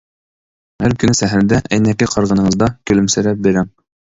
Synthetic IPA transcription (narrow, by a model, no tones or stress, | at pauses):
æɾkɵ̆nɘsæɦæld̪æʔæjnækɘqɑɾʁɤ̆nɤ̆ɴɤ̆zd̪ɑkɵ̆lɵ̆msɘɾæp̚beɾæm